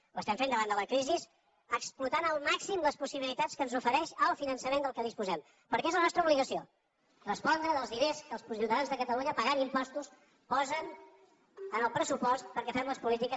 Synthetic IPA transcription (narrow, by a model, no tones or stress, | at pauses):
uəst̪ɛmfend̪əβand̪ələkɾizis | əksplut̪anəlˠmaksimləspusiβilit̪askənzufəɾɛʃəlˠfinənsəmend̪əlˠkɛðispuzɛm | pəɾkɛezlənɔst̪ɾəuβliɣəsio | rəspɔnd̪ɾəðəlˠzðiɾeskəlˠsʒuwt̪əðanzðəkət̪əluɲəpəɣanimpɔst̪us | pɔzən | ənəlˠpɾəsupɔst̪̚pəɾkɛfɛmləspulit̪ikə